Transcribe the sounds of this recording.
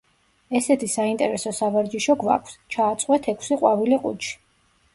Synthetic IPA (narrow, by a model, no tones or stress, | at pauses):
ɛsɛt̪ʰisaint̪ʼɛɾɛsɔsavaɾd͡ʒiʃɔɡva̰kʷʰst͡ʃʰaːt̪sʼqʼwɛt̪ʰɛkʰsiqʼwaviliqʼṵt͡ʃʰi̥